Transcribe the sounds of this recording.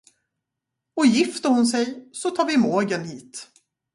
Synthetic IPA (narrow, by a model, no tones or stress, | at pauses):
ɔjɪft̪əɾhʊnsɛjsɔt̪ʰɑːɾvɪmoːɡənhiːt̪